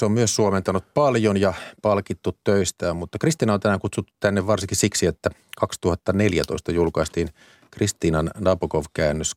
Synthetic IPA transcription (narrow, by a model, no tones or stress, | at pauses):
seommyøssuoment̪ɑnut̪̚pɑljonjɑpɑlkit̪ːut̪tøist̪æːmmut̪ːɑkrist̪iːnɑont̪ænæːŋkut̪sut̪ːut̪t̪ænːeʋʋɑrsiŋkisiksiet̪ːækɑkst̪uhɑt̪ːɑneljæt̪o̰ist̪ɑjulkɑist̪iːn | krist̪iːnɑnnɑːpokoʋkæːnːøs